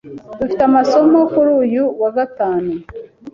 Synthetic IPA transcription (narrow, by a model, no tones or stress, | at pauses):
d̥ufitamaso̞mo̞kuɾuːjuwaɡataːnu